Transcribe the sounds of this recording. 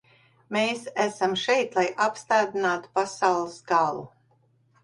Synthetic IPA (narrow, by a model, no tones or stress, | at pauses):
meːsæsamʃɛjt̪lˠajʔapst̪aːd̪inaːt̪u̥pasawlˠɨsɡalˠṵ